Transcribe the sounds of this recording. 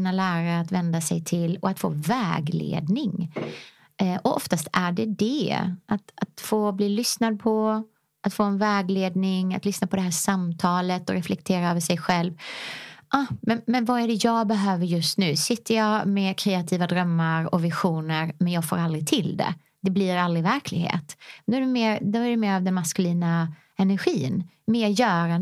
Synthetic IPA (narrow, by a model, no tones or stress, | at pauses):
nalæːɾaːt̪vɛnd̪asɛ̰jt̪ʰɪlːɔat̪fo̰ːvɛːɡlḛːd̪nɪŋ | ʔɔɔft̪ast̪æɖɛd̪ɛʔat̪at̪foːbliːlʏsnad̪̚pʰɔ | at̪foːɛnvɛːɡleːd̪nɪŋa̰t̪lʏsnapʰɔd̪ɛɦæːʂamt̪ʰɑːlət̪ɔɾɛflɛkt̪ʰeːɾaɑːvəʂɛjɧɛlv | ʔɑmɛnmɛnvaæɖɛjɑːɡbɛɦøːvəɾjɵst̪nʉ̟ːsɪt̪ʰːəjɑːmɛkʰɾeːat̪ʰiːvad̪ɾœmːaɾɔ̰vɪɧuːnəɾmɛnjɑːɡfo̰ːɾald̪ɾɪt̪ʰɪld̪ɛ̰ | d̪̥ɛbliɾald̪ɾɪvæɾkʰlɪɡɦḛːt̪d̪oːɛɖɵmeːɾd̪oæɖɵmeːɾavd̪ɛnmaskɵliːna | ɛnæɾɧiːn | meːjœːɾa